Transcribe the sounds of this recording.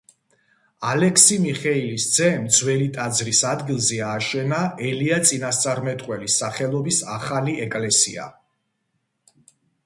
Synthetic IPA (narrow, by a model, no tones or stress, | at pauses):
alɛkʰsimiχɛilisd̪zɛmd̪zwɛlit̪ʼad̪zɾisad̪ɡilˠzɛaːʃɛnaɛliat̪sʼinast̪sʼaɾmɛt̪ʼqʼwɛlisːaχɛlˠɔbisaχaliɛkʼlɛsḭa̰